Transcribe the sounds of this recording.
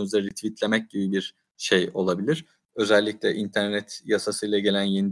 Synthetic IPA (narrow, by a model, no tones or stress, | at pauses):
uzaɾnit̪ʰvit̪lʲe̞mɛc̚ɟibibiɾ | ʃejo̞lˠabilʲiɾ̥ | ø̞zælʲːiclʲɛʔint̪ʰæɾnɛt̪jasasɯjlˠaɟe̞lʲænjenid̪